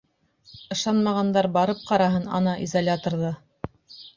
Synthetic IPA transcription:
ɤ̆ʃɑnmɑʁɑnd̪ɑɾbɑɾɤp̚qɑɾɑɦɤnɑ̰nɑʔizalʲat̪ŏɾðɤ

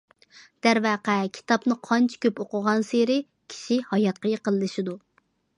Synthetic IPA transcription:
d̪̥æɾvæːqækʲʰi̥t̪ʰɑpnɨqʰɑnt͡ʃʰi̥kʲøpoqʊʁɑnseɾɪ | kʲʰi̥ʃihɑjɑt̪̚qəjqəlˠɨlɨʃɪd̪u

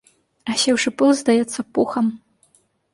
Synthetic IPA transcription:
ɐɕʲɛwʂɨpɨlˠzd̪ajɛt̪sːɐpuxɐm

